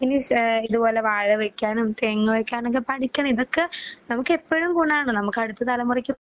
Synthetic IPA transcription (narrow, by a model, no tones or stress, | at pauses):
iniiðupo̞ːleʋaːɻɨʋekʲːaːnumt̪eːŋːɨʋekʲːaːnoŋkːepɐʈikʲːɐɳmiðokːenɐmukːe̞pːɐɻumkuɳːaːɳɨnɐmukːɐɽut̪ːɨt̪ɐlɐmurɐkʲːu